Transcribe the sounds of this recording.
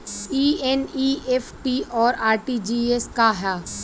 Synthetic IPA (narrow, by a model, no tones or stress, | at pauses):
iːeniːʔefʰʈiɔːɾaːɾʈid͡ʒiːeskaɦɛː